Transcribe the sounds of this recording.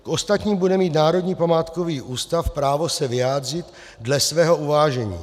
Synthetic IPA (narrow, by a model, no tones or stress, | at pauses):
kʔo̞st̪at̪ɲiːmbudɛmiːt̪naːɾo̞dɲiːpamaːt̪koviːʔuːst̪afpɾaːvosɛvɪjaːd̪r̝ɪt̪ | dlɛsvɛːɦo̞ʔuvaːʒɛɲḭː